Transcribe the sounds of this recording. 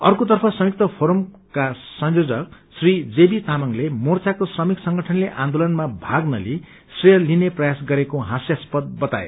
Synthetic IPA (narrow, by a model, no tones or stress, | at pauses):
ʌrkot̪ʌrpʰʌsʌmik̚t̪ʌpʰoɾm | kasʌnjod͡zʌk̚srid͡zebit̪amʌŋlemort͡sʰakosrʌmiksʌŋɡʌʈʰʌnleʔãnd̪olʌnmabʱaɡnʌli | srijʌlineprʌjasɡʌɾekoɦãsjaspʌd̪̚bʌt̪a̰ḛ